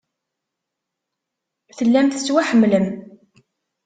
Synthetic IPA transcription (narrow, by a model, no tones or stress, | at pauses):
θəlːæmθət͡sːwæħəmːləm